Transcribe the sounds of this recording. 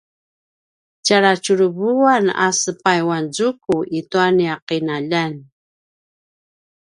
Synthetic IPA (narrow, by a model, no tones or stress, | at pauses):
caɾat͡ʃuɾəβuana̰səpajwanzukuʔituaniaqinaʎan